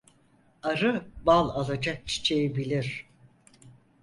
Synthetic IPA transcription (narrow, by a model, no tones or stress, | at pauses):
aɾɯbalˠalˠad͡ʒak̚t͡ʃʰi̥t͡ʃʰejebilʲiɾ̥